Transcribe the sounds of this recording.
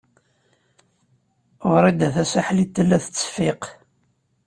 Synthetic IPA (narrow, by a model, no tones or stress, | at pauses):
ʁɾˤid̪æθæsaħlit̪ːəlːæθə̥t͡sːə̥fiq